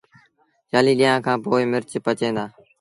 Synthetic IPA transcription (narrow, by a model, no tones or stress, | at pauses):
jaːliːɗɪjãːkʰãːpoːɪːmɪɾt͡ʃpət͡ʃẽːd̪aː